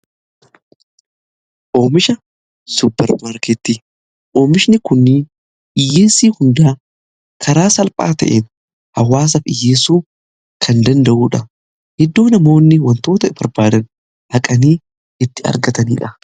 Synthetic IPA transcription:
ʔo̞ːmɪʃɐ | sʊbːɐɾɐɾket̪ːi | ʔo̞ːmɪʃnɪkʊnːɪ | ʔɪjːeːsiːhʊnd̪aː | kʰɐɾaːsɐlpʼa̰ːt̪ɐ̰ʔḛːn | hɐwːaːs̬ɐfɪjːeːsuː | kʰɐnd̪ɐnd̪ɐʔuːᶑɐ | hɛd̪ːoːnɐmo̞ːnːɪwɐnt̪o̞ːt̪ɐb̥ɐɾbaːd̪ɐn | ʔɐkʼɐniː | ʔɪt̪ːɪɐ̰ɾɡɐt̪ɐniːᶑɐ

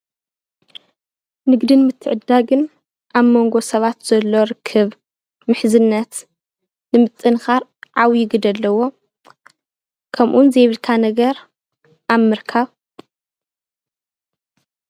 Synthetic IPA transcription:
nɨɡd̪ɨnmɨt̪ʰːɨʕɨd̪ːaɡɨn | ʔaβmo̞ŋɡo̞sɐβat̪z̥ɐlːo̞ɾɨkʰːɨβ | mɨħzɨnːɐt̪ | nɨmɨt̪ʼːɨnxaɾʕawjɪɡɨd̪ɐlːɐwo̞ | kʰɐmʔunzeβɨlkʰanɐɡɐɾ | ʔaβmɨɾkʰaβ

